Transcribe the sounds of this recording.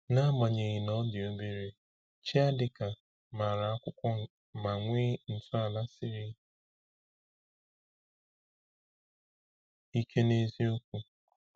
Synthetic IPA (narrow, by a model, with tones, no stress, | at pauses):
na˦ma˨ɲe˨ɣi˨nɔ˦dɪ˨o˦be˦ɾe˦ | t͡ʃi˦a˦dɪ˨ka˨ | ma˨ɾa˨a˦kʷʊ˦kʷɔ˦ | ma˨ŋʷɪ˦n̩˨tʊ˦a˨la˦sɪ˦ɾɪ˦ | i˦kʰe˦ne˦zi˦o˦kʷu˦